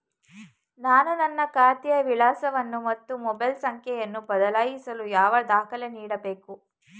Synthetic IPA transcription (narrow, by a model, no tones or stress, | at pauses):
naːnunɐnːɐkaːt̪ijɐʋilaːsɐʋɐnːumɐt̪ːumɔbɐjlsɐŋkʰjɛjɐnːubɐd̪ɐlaːjisɐlujaːʋɐd̪aːkʰɐlɐniːɽɐbeːku